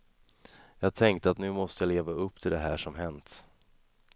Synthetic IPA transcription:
jɑːɡ̚t̪ʰɛŋkt̪əat̪nʉ̟ːmɔst̪əjaleːvaɵpːt̪ʰɪld̪ɛɦæːʂɔmɦɛnt̪

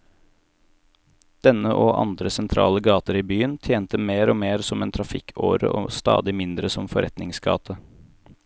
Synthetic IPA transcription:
d̪̥ɛnəʔoːʔɑ̰nd̪ɾəsɛnt̪ʰɾɑ̰ːləɡɑːt̪əɾiːbyːənt̪ʰjeːnt̪əmeːɾoːmeːɾsɔmeːnt̪ʰɾɑfɪkʰo̰ːɾə̰ʔɔst̪ɑ̰ːd̪ɪmɪnd̪ɾəsɔmfɔɾʔɛt̪nɪŋsɡɑ̰ːt̪ʰə

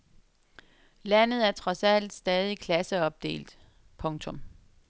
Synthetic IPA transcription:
lænð̞̩ˠæɐt͡sʰʁɒ̽sæl̰d̥sd̥ɛːð̞ˠikʰlæsəɒ̽b̥̚d̥e̝̰ːld̥ | pʰɔ̽ŋt͡sʰɔ̽m

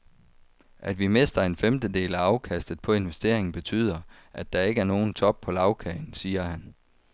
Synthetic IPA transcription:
ʔæd̥ʋime̝sd̥ɐe̝nfemd̥əd̥e̝̰ːlæɑ̈ʊkʰæsd̥ð̞̩ˠpʰɒ̽e̝nʋesd̥e̝̰ɐ̰e̝ŋn̩b̥e̝t͡sʰy̰ːð̞̰ˠɐ | ʔæd̥ɑ̈e̝ɡ̥əæɐno̝ːn̩t͡sʰɒ̽b̥̚pʰɒ̽lɑ̈ʊkʰɛɪn̩siːɐhæn

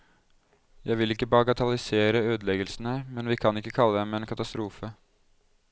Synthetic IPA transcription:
jæɪʋɪlɪkːəbɑːɡɑt̪ʰɑlɪseːɾəøːd̪əlɛɡəlsn̩əmɛnʋiːkʰɑnɪkːəkʰɑlːəd̪ɛmeːnkʰɑt̪ɑst̪ɾuːfə

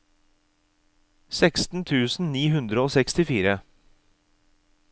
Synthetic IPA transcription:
sɛkst̪n̩t̪ʰʉːsn̩niːhʉnd̪ɾəoːsɛkst̪ɪfiːɾə

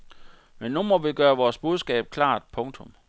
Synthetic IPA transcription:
menːumɒ̽ʋiɡ̥ɶːɐʋɒːsb̥uð̞ˠsɡ̥ɛ̰ːb̥̚kʰlɑ̰̈ːd̥̚pʰɔ̽ŋt͡sʰɔ̽m

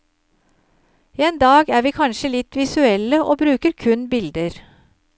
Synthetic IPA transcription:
iːeːnd̪ɑːɡæːɾʋiːkʰɑnʃəlɪt̪ʋɪsʉɛləʔoːbɾʉːkəɾkʰʉnbɪld̪əɾ

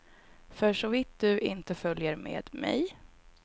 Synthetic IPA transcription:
fœʂɔvɪt̪̚d̪ɵʔɪnt̪əfœljəɾmḛːd̪mɛ̰j

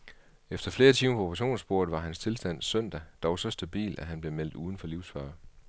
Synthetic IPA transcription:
efd̥ɐfle̝ːɐt͡sʰiːmɐpʰɒ̽o̥pʁɑɕo̝̰ːnsb̥o̝ɐ̰ð̩ˠʋɑ̈ɦænst͡sʰe̝lsd̥æn̰sœn̰d̥æd̥ɒʊsɒ̽sd̥æb̥ḭːlæɦænb̥le̝mel̰d̥̩uːðˠn̩fɒ̽liʊsfɶɐ

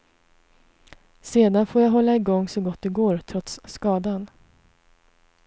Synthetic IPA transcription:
seːd̪anfoːɾjaːɦɔlːaɪɡɔŋːsɔɡɔt̪̚ːd̪ɛɡoːɾt̪ʰɾɔt̪sːkɑːd̪an

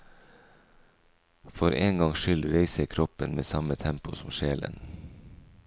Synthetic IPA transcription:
fɔɾʔeːŋɡɑŋʃʏlɾeɪsəkʰɾɔpənmeːsɑmət̪ʰɛmpʊsɔmʃeːlə̰n

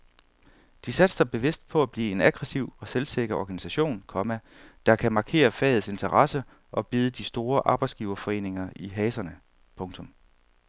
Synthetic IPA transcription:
d̥isæd̥sɑ̈ɪb̥e̝ʋe̝sd̥̚pʰɒ̽æb̥lḭːe̝næɡ̥ʁɛsiʊ̰ɒ̽selse̝ɡ̥ɐɒɡ̥ænisæɕo̝̰ːnkʰɒ̽mæ | d̥ɑ̈kʰæmɑ̈ːkʰe̝̰ːɐfɛ̰ːð̩ˠse̝nt͡sʰɐʁɑsə | ʔɒ̽b̥iːð̞ˠəd̥isd̥o̝ːɐʔɑ̈ːb̥ɑ̈ɪdsɡ̥iːʊɐfɒ̽e̝̰ːne̝ŋɐiɦɛːsɐnə | pʰɔ̽ŋt͡sʰɔ̽m

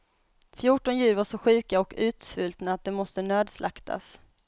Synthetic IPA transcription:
fjuːʈɔnjʉ̟ːɾvaʂɔɧʉ̟ːkaɔkʉ̟ːt̪sfɵlt̪naat̪̚d̪ɛmɔst̪ənøːd̪slʔa̰kt̪ʰa̰s

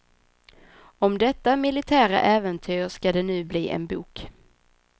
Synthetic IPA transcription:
ɔmd̪ɛt̪ːamɪlɪt̪ʰæːɾa̰ʔɛːvənt̪ʰyːʂkad̪ɛnʉ̟ːbliːʔɛ̰nbuːk

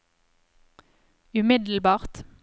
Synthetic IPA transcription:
ʉmɪd̪l̩bɑːʁt̪

